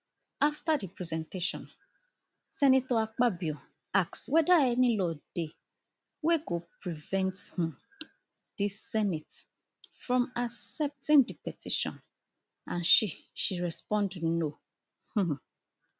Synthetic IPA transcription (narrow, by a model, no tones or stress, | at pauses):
aftadipɹizɛ̃nteʃɔ̃n | sɛnitɔak͡pabio | ak̚swɛdaɛnĩlɔd̥e | weɡopɹivɛ̃nthĩ | d̥isːɛnit | fɾɔ̃masɛp̚tĩmdipɛtiʃɔ̰̃n | ã̰nʃiʃiɾɛspɔ̃ndn̩no | h̩